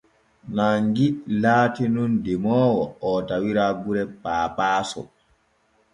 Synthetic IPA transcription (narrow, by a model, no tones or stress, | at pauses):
naŋɡilaːtinundimɔːwɔɔtawiɾaːɡuɾɛpaːpaːsɔ̰